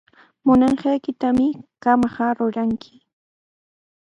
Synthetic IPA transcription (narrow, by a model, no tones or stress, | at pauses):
mʊnɑɴɢɑjkɪt̪amɪkamɢɑɾʊɾaŋkʰɪ̥